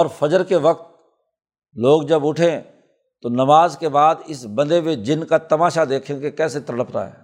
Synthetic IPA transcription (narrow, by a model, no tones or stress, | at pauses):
ɔːɾfɐd͡ʒəɾkeʋɐqt̪̚ | loːɡd͡ʒɐbʊʈʰẽ | t̪onɐmaːzkebaːd̪ɪsbɐ̃nd̪emed͡ʒɪnkat̪ɐmaːʃad̪eːkʰẽkekɛːset̪ɾəɽəpɾa̰ɦɛ̰ː